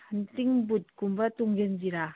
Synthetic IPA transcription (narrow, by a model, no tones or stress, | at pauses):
antiŋbut̚kumbatuŋɡenziɾa